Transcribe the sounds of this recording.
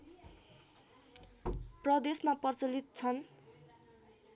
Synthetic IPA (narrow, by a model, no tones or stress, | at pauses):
prʌd̪esmapʌrt͡sʌlit̪̚t͡sʰʌn